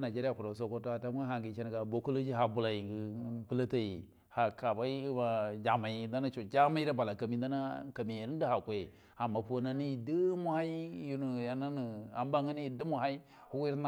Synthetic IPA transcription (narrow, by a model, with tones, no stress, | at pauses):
na˨d͡ʒe˦ɾi˦a˨ku˨ɾa˨s̬o˦ko˦to˦a˨ta˦m˦a˦ɦa˨ŋɡi˨t͡ʃe˦ni˨ka˨bo˨ku˦lo˦d͡ʒi˦ɦa˨bu˨la˨ji˨ɡi˦pɨ˦la˦ta˦ji˨ | ha˨ka˨ba˦i˦i˦ba˨d͡ʒa˨ma˨i˨˦da˦na˦t͡ʃo˨d͡ʒa˦ma˦i˦ɾa˦ba˨la˨ka˨mi˨da˦na˦ka˨mi˨ɾi˦di˦ha˨kʷe˨ | a˨mːa˨po˦na˦ni˦ji˨di˦mu˦ha˦i˦ju˨nu˨ja˨na˦nu˨a̰˨m˦ba˦ŋa˦ni˦ji˨du˦mu˨ɦa˦i˦ | hu˦wi˦ɾna˦